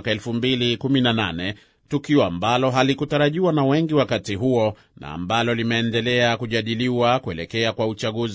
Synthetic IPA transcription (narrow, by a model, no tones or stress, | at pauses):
kaɛlfumbilikuminana̰nɛ | tukiɔambalɔɦalikutaɾaʄiwanawɛŋɡiwakatiɦuɔ | na̰ːmbalɔlimɛːndɛlɛakuʄaɗiliwakuɛlɛkɛakwaut͡ʃaɠuz